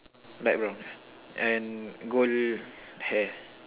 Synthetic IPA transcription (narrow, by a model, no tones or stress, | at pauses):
laj̚bɹãn | ɛ̃nɡol | hɛ